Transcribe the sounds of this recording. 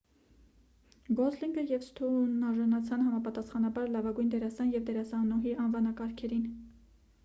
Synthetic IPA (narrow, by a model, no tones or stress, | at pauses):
ɡɔzliŋɡəjɛvst̪ʰunɑʒɑnɑt͡sʰɑnɦɑmɑpɑt̪ɑsχɑnɑbɑɾlɑvɑɡujnd̪ɛɾɑsɑnjɛvd̪ɛɾɑsɑnɔɦiɑnvɑnɑkɑɾkʰɛɾin